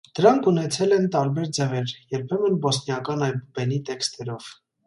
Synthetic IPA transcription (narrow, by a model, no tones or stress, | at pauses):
d̪̥əɾɑŋkʰunɛt͡sʰɛlɛnt̪ɑɾbɛɾd͡zɛʁɛɾjɛɾpʰɛmənbɔsnjɑkɑnɑjbubɛnit̪ɛkst̪ɛɾɔv̥